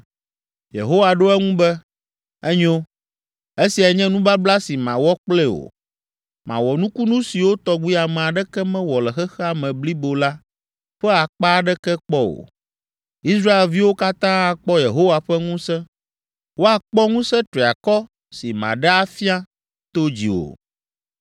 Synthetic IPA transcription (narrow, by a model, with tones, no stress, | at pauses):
jḛ˨ɦo˦wa˨ɖo˦ɛ˦ŋũ˦bɛ˦ | ɛ˦ɲo˦ | e˦si˨a˨ɲɛ̃˦nũ˦ba˦bla˦si˨mã̰˨wɔ˦k͡plɛ˦o̰˨ | mã̰˨wɔ˨nũ˦ku˦nũ˦si˨wo˦t̪ɔ˦ɡu˦i˦a˨mɛ̃˨a˨ɖɛ˦kɛ˦mɛ̃˦wɔ˨lɛ˨xɛ˦xɛ˦a˨mɛ̃˨bli˦bo˨la˦ | ɸɛ˦a˨k͡pa˦ɖɛ˦kɛ˦k͡pɔ˦wo̰˨ | i˦sɾa˦e˨lvi˦wo˦ka˦t̪ã˦a˨k͡pɔ˦je˨ɦo˦wa˨ɸɛ˦ŋũ˦sɛ̃˦ | wo˦a˨k͡pɔ˦ŋũ˦sɛ̃˦t̪ɾi˨a˨kɔ˦ | si˨mã̰˨ɖɛ˦a˦fi˦a˦ | t̪o˦d͡ʑḭ˨wo̰˨